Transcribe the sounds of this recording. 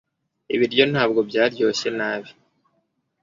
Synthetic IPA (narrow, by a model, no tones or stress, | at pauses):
ḭβiɾjo̞n̥haːb̚ɡo̞bjaːɾjo̞ːɕe̞naːβi̥